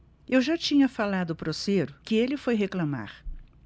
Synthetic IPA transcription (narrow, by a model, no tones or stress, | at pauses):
ewʒat͡ʃĩɲɐfalad̪ʊpɾoseɾʊkɪelɪfojɦeklãma̰ɾ